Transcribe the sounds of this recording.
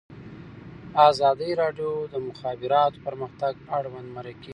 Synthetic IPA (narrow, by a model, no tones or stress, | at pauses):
ɑzɑd̪əjɾɑɖjod̪əmʊxɑbɪɾɑt̪o̥pəɾməxt̪aɡ̚aɽwand̪maɾaki